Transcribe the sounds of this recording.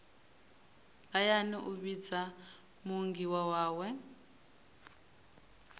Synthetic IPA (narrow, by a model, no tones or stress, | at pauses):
ajaniʔuβid͡za | muŋɡiwawaːwɛ